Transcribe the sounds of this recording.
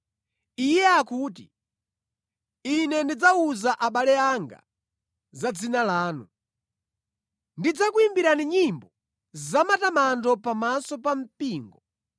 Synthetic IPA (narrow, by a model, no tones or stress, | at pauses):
ijɛakuːti | inɛndid͡zauzaʔaɓalɛaŋɡa̰ | zad͡zinalaːnu | ndid͡zakuimbiɾaniɲimbɔ | zamatamandɔpamasɔpam̩piːŋɡɔ